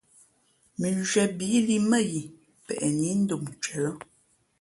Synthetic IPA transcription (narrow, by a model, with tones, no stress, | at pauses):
mi˨d͡ʒɥɛ˨bi˨˦li˦mə˦˨ji˨ | pɛ̰˨ʔɛ˨ni˨˦n̩˦do˨mt͡ʃɥɛ˨lɔ˦